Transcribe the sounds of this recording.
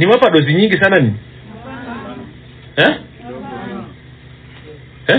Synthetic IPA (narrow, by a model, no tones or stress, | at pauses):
niwapaɗɔziɲiŋɡis̬ananimi | ɛ | ɛ